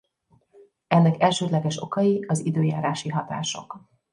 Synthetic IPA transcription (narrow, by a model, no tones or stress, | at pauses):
ɛnːɛkɛlʃøːd̪lɛɡɛʃo̞kɒjiɒzid̪øːjaːɾaːʃiɦɒt̪a̰ːʃo̞̰k